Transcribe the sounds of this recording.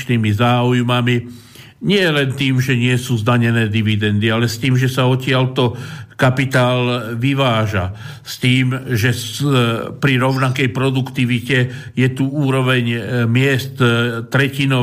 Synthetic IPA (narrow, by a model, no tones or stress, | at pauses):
t͡ʃniːmizaːujmami | ɲɪɛlɛnt̪iːmʒɛɲɪɛsuːzd̪aɲɛnɛːd̪iʋid̪ɛnd̪ialɛst̪iːmʒɛsaɔcɪalt̪ɔkapit̪aːlʋiʋaːʒa | st̪iːmʒɛ | pɾiɾɔʊnakɛjpɾɔd̪ukt̪iʋicɛ | jɛt̪uuːɾɔʋɛɲmɪɛst̪t̪ɾɛcinɔ